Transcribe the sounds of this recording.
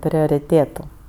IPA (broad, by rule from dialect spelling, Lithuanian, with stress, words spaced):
pʲrʲoːrʲɪˈtʲeːtʊ